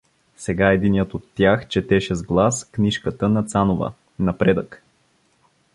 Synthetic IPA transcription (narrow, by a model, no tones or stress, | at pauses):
sɛɡaɛd̪inijət̪ot̪ːjaxt͡ʃɛt̪ɛʃɛzɡlˠaskniʃkət̪ənɐt̪sanovə̰ | nɐpɾɛd̪ək